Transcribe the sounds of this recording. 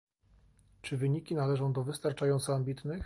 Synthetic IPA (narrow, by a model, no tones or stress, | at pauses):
t͡ʂɘvɘɲikʲinalɛʐɔ̃w̃d̪ɔvɘst̪aɾt͡ʂajɔnt̪sɔambʲit̪nɘx